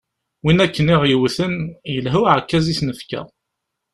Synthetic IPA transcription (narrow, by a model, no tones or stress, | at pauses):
winækːənɪʁjiwθənjəlɦuʕkːæzisnəfkæ̰